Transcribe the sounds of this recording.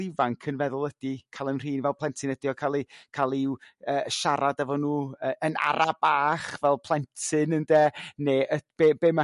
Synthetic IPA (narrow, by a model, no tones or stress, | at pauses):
ivaŋkʰənvɛðʊlˠəd̥ikʰalˠənr̥iːnvɛlˠpʰlˠɛntʰɪnədiɔkʰalˠikʰalˠiwəːʃaɾadɛvɔnuːəːəna̰ɾʔab̥aːχvɛlˠpʰl̥ˠɛntʰɨnəndɛːneːʔəb̥eːbeːma